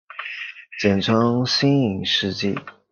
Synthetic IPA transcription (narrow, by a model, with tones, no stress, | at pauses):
t͡ɕjɛ˨˩nʈ͡ʂʰɤ˥ŋɕi˥ni˨˩ŋʂɻ̩˥˧t͡ɕḭ˥˩